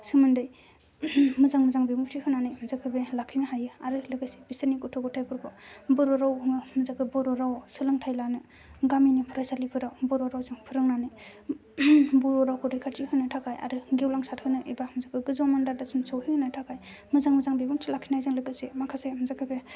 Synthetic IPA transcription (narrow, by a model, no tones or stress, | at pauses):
sɯmɯndɯj | mɯzaŋmɯzaŋbemutʰihɯnanɯjmzakʰɯbelakʰinɯɦajɯaɾɯlɯɡasi̥bisɯnikutʰɔɡɔtʰajpʰuɾbʰɔbɯɾɔɾawmɯzakʰɯbɔɾɔɾawsɯlaŋtʰajlanɯ | ɡaminipʰuɾajsalipʰɯɾawbɔɾɔɾawzɯŋpʰɯɾɯŋnanɯ | buɾɔɾawkʰɔɾɯjkʰatʰihɯnɯtʰakʰaja̰ɾɯɡewlaŋsat̚hɯnɯʔebamzakʰɯɡɯzɔmandaɾdasɯmsɯwhihɯnɯtʰakaj | mɯzaŋmɯzaŋbebuŋtʰilakʰinaajzɯŋlɯɡasemakʰasemɯzakʰɯbe